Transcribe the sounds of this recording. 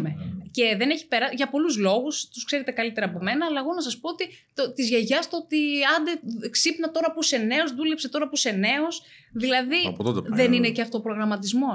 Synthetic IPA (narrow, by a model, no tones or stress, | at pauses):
mece̞ðe̞neçi̥pe̞ɾɐʝɐpo̞luzlo̞ɣust̪u̥skse̞ɾet̪e̞kɐlit̪e̞ɾɐːpome̞nɐːlɐeɣo̞nɐs̬ɐspo̞ot̪i | t̪ot̪izʝeʝɐst̪ot̪iɐnd̪eksipnɐt̪o̞ɾɐpuse̞neo̞zðule̞pset̪o̞ɾɐpuse̞ne̞o̞s | ðilɐðipt̪ot̪ðe̞nine̞ceɐft̪oːpɾo̞ɣɾɐmɐt̪izmo̞